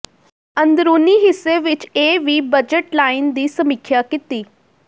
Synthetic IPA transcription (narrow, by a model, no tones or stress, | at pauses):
ə̃nd̪ɾuːniɦɪsːeʋɪt͡ʃeːʋiːbəd͡ʒəʈlaːɪnd̪iːsəmikʰjakɪt̪iː